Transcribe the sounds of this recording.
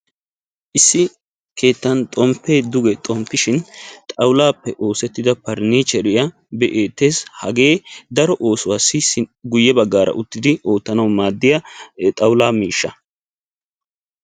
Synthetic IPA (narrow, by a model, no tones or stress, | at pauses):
ʔɪsːɪ | kʰe̞ːt̪ːɐnt̪ʼɔmpːeːd̪ʊɡɛt̪ʼɔmpːɪʃɪnt̪ʼɐwlaːpːɛʔo̞ːsɛt̪ːɪd̪ɐpɐɾniːt͡ʃɛɾɪjɐ | bɛʔe̞ːt̪ːe̞ːshɐɡe̞ːd̪ɐɾɔʔo̞ːsʊwaːsːɪsɡʊjːɛbɐɡːaːɾɐ̰ʔʊt̪ːɪd̪ɪʔoːt̪ːɐnɐwmaːd̪ːɪjɐt̪ʼɐwlaːmiːʃːɐ